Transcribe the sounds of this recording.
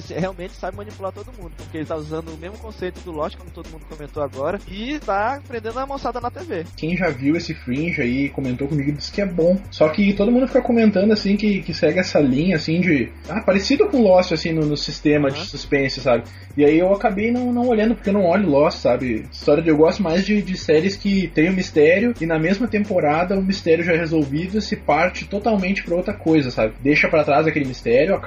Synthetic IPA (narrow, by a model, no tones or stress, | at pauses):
sĩheawmẽnt͡ʃɪ̥sabɪmɐ̃nipulat̪od̪ʊmũd̪ʊpʊɾkʲeelɪt̪auzɐ̃nd̪ʊːmezmʊkõsejt̪ʊd̪ʊlɔst͡ʃɪ̥kõmʊt̪od̪ʊmũnd̪ʊkomẽnt̪oaɡɔɾɐɪt̪apɾẽnd̪ẽnd̪ʊɐmɐ̃sad̪ɐnɐt̪evekẽj̃ʒaviwesɪfɾĩʒaikomẽnt̪okõmiɡʊɪd͡ʒi̥sɪ̥kɪɛbõw̃sɔkɪt̪od̪ʊmũd̪ʊfikɐkomẽnt̪ɐ̃nd̪ʊasĩkɪkɪsɛɡɪɛsɐlĩɲɐːsĩd͡ʒɪ | apaɾɪsid̪ʊkõlɔsɪasĩnʊnʊsist̪ẽmɐd͡ʒɪsuspẽsʊ̥sabɪ | ɪaiewakabejnɐ̃w̃nɐ̃w̃oʎɐ̃nd̪ʊpoɾkewnɐ̃w̃ɔʎʊlɔssabɪist̪ɔɾjɐd̪ewɡɔst̪ʊmajzd͡ʒɪd͡ʒɪsɛɾɪskɪt̪ẽj̃ʊ̃mist̪ɛɾjʊɪnɐmezmɐt̪ẽmpoɾad̪ɐũmist̪ɛɾjʊʒaɛhezowvid̪ʊsɪpaɾt͡ʃɪt̪ot̪awmẽnt͡ʃɪ̥pɾɐowt̪ɾɐkojzɐsa̰bɪd̪ejʃɐpɾat̪ɾazd̪ɐkelɪmist̪ɛɾjʊak